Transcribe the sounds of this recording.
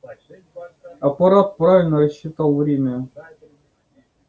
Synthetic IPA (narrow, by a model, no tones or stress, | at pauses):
ɐpɐɾat̪̚pɾavʲɪlʲnərɐɕːit̪alˠvɾʲemʲə